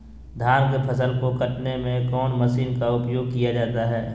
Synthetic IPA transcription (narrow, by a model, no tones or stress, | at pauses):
d̪ʱaːɾkpʰəsəlkokɐʈnemẽkɔːnməsiːnkaʊpjoːɡ̚kijad͡ʒaːt̪aɦɛː